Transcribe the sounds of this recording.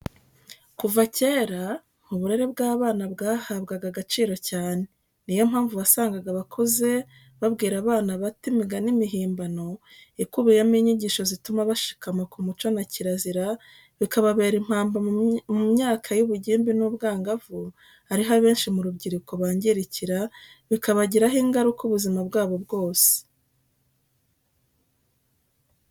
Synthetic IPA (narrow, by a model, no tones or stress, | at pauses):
kuvace̞ːɾa | muβuɾe̞ɾebɡaːβaːnabɡaːhaβɡaɡaɡat͡ʃiːɾo̞caːne̞ | nijo̞m̥haːɱvuβasaːŋɡaɡaβakʰoze̞ | βaβɡiːɾaβaːnaβatimiɡanimiɦiːmbano̞ | ikuβijemiːɲiɟiːʃo̞zitumaβaʃi̥kamakumut͡ʃo̞naciɾaziɾa | βikaβaβe̞ːɾim̥haːmbamumɲaːkʰajuβuɟiːmbinubɡaːŋɡavu | haɾiɦaβe̞ːnʃimuɾubɟiɾiko̞βaːɲɟeɾiciɾa | βikaβaɟiɾaɦiːŋɡaɾukuβuzimabɡaːβo̞bɡo̞ːse̥